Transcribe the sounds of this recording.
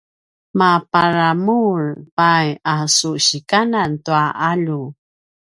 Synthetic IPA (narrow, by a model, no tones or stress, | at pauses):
mapaɾamuɹpajasuɕikanantuaʔaʎu